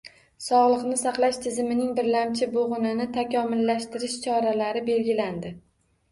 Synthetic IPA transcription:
sɒʁlˠɨqnɪsaqlˠaʃt̪ʰɪzɪmɪnɪŋbɪɾlamt͡ʃʰɪboʁʊnɪnɪt̪ʰakʲɒmɪlːaʃt̪ɪɾɪʃt͡ʃʰɒɾalaɾɪbe̞lɡʲɪland̪ɪ

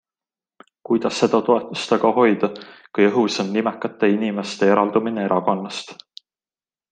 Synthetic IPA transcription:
kujd̪ɑsːe̞d̪̥ɑt̪o̞e̞t̪ˑːust̪ɑɡɑho̞jd̪̥ɑkujɤɦuso̞nːimɛkːˑɑt̪ːˑe̞inime̞st̪e̞eɾɑld̪̥umine̞eɾɑko̞nːɑst̪

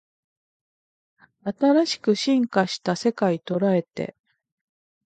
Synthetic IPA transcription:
at̪aɾaɕi̥kɯ̟ɕĩŋkaɕi̥t̪ase̞kait̪o̞ɾae̞t̪ḛ

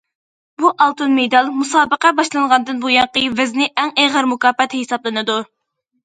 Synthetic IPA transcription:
buʔɑlˠt̪unmejd̪ɑlˠmusɑːbəqɛbɑʃlˠɨŋʁɑnd̪ɨnbujɑŋqəjvɪznɪʔɛŋeʁəɾmukɑːpːɛt̪ʰhesɑblˠɨnɨd̪u

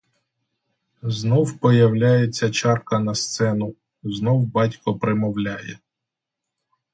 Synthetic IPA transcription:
znɔwpɔjɐwlʲajet͡sʲːɐt͡ʃɑrkɐnɐst̪sɛnʊ | znɔwbɑtʲkɔpɾɪmɔwlʲajɛ

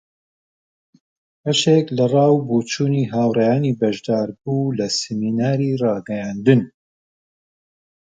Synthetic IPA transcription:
bɐʃeklɐrˤɑːwbuːt͡ʃuːniːɦaːwrɛjaːniːbɐʒd̪aːɾbuːlɐsɪminaːɾiːrɑːɡɐjaːnd̪ɨn

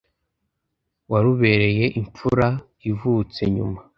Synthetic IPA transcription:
waɾuβe̞ɾe̞je̞ʔiɱp͡fuɾa | ivut͡se̞ɲṵma

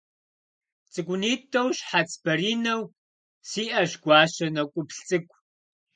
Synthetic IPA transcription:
t͡sʼɨkʷʊniːtʰʼːɐwɕħat͡sʰʼb̥ɐɾiːnɐw | siːʔɐɕɡʷɑːɕɐnɐkʷʼʊpɬt͡sʼɨkʷʼ

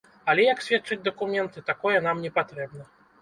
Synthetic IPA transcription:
ɐlʲɛjɐksʲvʲɛt̪t͡ʂɨd͡zʲd̪ɐkumʲɛnt̪ɨt̪akɔjɛnamnʲɛpat̪ɾɛbnɐ

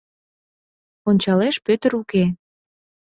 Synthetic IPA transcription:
onʲt͡ɕɑleʃpøt̪əɾuke

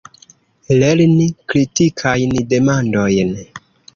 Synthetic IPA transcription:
leɾnikɾitikʰajnde̞mando̞jn

